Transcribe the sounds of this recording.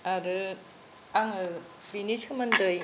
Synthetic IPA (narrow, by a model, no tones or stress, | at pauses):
aɾɯ | aŋɯbinisɐmɐndɯj